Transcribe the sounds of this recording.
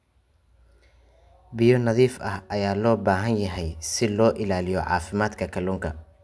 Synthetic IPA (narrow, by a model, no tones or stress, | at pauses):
bɪjɔnɐðiːfʔɐhʔɐjaːlɔːbaːɦɐnjɐɦɛjsɪlɔːʔɪlaːlɪjɔʕɑ̰ːfɪmaːd̪kʰɐkʰɐlʊːŋkʰɐ